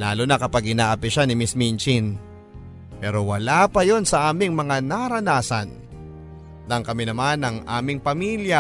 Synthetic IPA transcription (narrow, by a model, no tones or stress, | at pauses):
laːlʊnɐkɐpaɡʔɪnaːʔɐpɪʃanɪmɪsmint͡ʃin | pɛːɾo̞wɐlapɐjo̞nsɐʔaːmɪŋmɐŋanaɾɐnaːsɐ̰n | ɐŋkɐmɪnɐmanɐŋʔa̰ːmɪŋpɐmiːlja